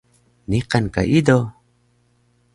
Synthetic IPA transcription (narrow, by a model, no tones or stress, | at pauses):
niqanka̰ʔid̪o